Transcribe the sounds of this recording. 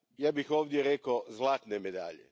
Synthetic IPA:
jaːbixoːʋd̪jeɾekozlˠaːt̪nemed̪a̰ːʎḛ

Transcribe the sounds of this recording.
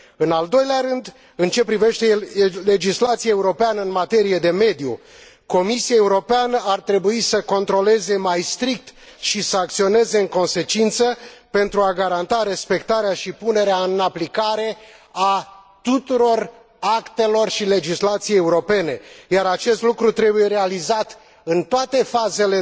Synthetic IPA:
ɨnald̪o̞jleaɾɨnd̪ | ɨnt͡ʃe̞pɾive̞ʃt̪e̞le̞d͡ʒislat̪siaeuɾo̞peanəɨnmat̪e̞ɾije̞d̪e̞me̞d̪ju | ko̞misiaeuɾo̞peanəʔart̪ɾe̞buisəko̞nt̪ɾo̞le̞ze̞majst̪ɾik̚t̪ | ʃisəak̚t̪sio̞ne̞ze̞ɨŋko̞nse̞t͡ʃint̪səpe̞nt̪ɾuaɡaɾant̪aɾe̞spe̞kt̪aɾeaʃipune̞ɾeaɨnaplikaɾe̞a | t̪ut̪uɾo̞r | akt̪e̞lo̞rʃile̞d͡ʒislat̪sijejeuɾo̞pe̞ne̞jaɾat͡ʃe̞st̪lukɾut̪ɾe̞buje̞ɾe̞alizat̪ | ɨnt̪oat̪e̞faze̞le

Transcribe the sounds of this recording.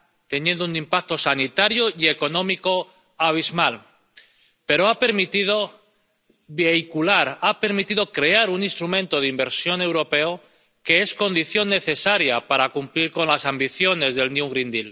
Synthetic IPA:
t̪e̞nje̞nd̪ounĩmpak̚t̪o̞sanit̪aɾjoie̞ko̞nõ̞miko̞ | aβ̞izmal | pe̞ɾoape̞ɾmit̪iðo | βe̞jkulaɾape̞ɾmit̪ið̞o̞kɾe̞aɾunĩnst̪ɾumẽ̞nt̪o̞ð̞imbe̞ɾsjo̞ne̞wɾo̞pe̞o | ke̞esko̞nd̪iθjonːe̞θe̞saɾjapaɾakumpliɾko̞nlasambiθjo̞ne̞zðe̞lnjuŋɡɾind̪il

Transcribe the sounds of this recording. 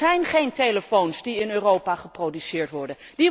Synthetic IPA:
ɛjnχejntejləfownsdiɪnøːrowpaχəprowdysɪːɹtʋɔɹdən | di

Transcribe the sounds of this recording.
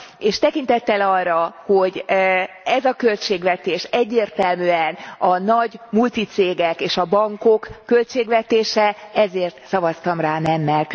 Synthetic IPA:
eːʃt̪ɛkint̪ɛt̪ːɛlɒrːɒho̞ɟ | ɛzɒkølt͡ʃeːɡʋɛt̪eːʃɛɟːeːrt̪ɛlmyːɛnɒnɒɟmult̪it̪seːɡɛkeːʃɒbɒŋko̞kːø̞lt͡ʃeːɡʋɛt̪eːʃɛɛzeːrt̪sɒvɒst̪ɒmraːnɛmːɛlk

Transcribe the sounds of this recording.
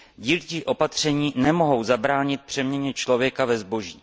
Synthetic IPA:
ɟiːlt͡ʃiːʔo̞pat̪r̝̥ɛɲiːnɛmo̞ɦo̞wzabɾaːɲɪt̪̚pr̝̥ɛmɲɛɲɛt͡ʃlo̞vjɛkavɛzbo̞ʒiː

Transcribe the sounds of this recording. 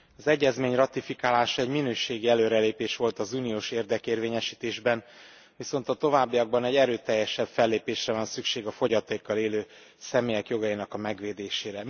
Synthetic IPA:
ɒzɛɟːɛzmeːɲrɒt̪ifikaːlaːʃɒɛɟminøːʃeːɡiɛløːɾɛleːpeːʃʋo̞lt̪ɒzuːnijoːʃeːrd̪ɛkeːrveːɲɛʃiːt̪eːʒbɛn | viso̞nt̪ɒt̪o̞vaːbːijɒɡ̚bɒnɛɟɛɾøːt̪ɛjːɛʃɛbfɛlːeːpeːʃrɛvɒnsykʃeːɡɒfo̞ɟɒt̪eːkːɒleːløː | sɛmeːjɛkjo̞ɡɒjinɒkɒmɛɡʋeːd̪eːʃeːɾɛ

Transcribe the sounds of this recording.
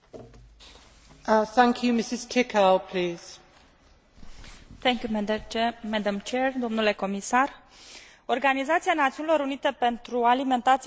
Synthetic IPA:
θæ̃ŋkʰjumɪsɪz̥kʰɪkʰalpʰl̥iːz̥ | θɛŋkju | mɛd̪əmt͡ʃɛɹd̪o̞mnule̞ko̞misar | o̞rɡanizat̪sianat̪siunilo̞ɾunit̪e̞pe̞nt̪ɾualime̞nt̪at̪s

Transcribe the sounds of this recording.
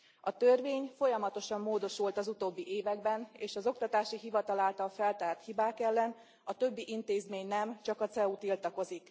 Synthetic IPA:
ɒt̪ørveːɲfo̞jɒmɒt̪o̞ʃɒmːoːd̪o̞ʃult̪ɒzut̪oːbːiʔeːvɛɡbɛneːʃɒzo̞k̚t̪ɒt̪aːʃiɦivɒt̪ɒlaːlt̪ɒlfɛlt̪aːrt̪hibaːkɛlːɛn | ɒt̪ø̞bːiʔint̪eːzmeːɲnɛmt͡ʃɒkɒt̪sɛut̪ilt̪ɒko̞zik

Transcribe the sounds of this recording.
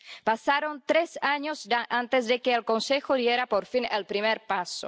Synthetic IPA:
pasaɾont̪ɾesaɲozdaʔant̪ezðekeːlkonsexoðjeɾapoɾfinelpɾimeɾpaso

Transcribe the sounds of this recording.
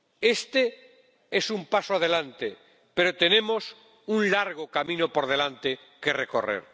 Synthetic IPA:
e̞st̪e | esumpasoað̞e̞lant̪e | pe̞ɾot̪e̞nẽ̞mo̞s | unlaɾɣ̞okamĩnopoɾð̞e̞lant̪e | ke̞reko̞̰rḛɾ

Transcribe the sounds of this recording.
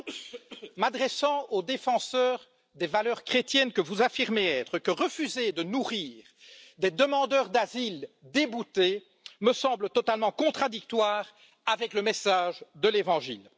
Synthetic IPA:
mad̪ʁɛsɑ̃od̪efɑ̃sœːʁ | d̪evalœʁkχet̪jɛnkəvuzafiʁmeɛːt̪χəkəʁəfyzed̪ənuʁiːʁd̪ed̪əmɑ̃d̪œʁd̪azild̪ebut̪e | məsɑ̃blət̪ɔt̪almɑ̃kɔ̃t̪χad̪ik̚t̪waːʁ | avɛkləmɛsaʒd̪əlevɑ̃ʒḭl

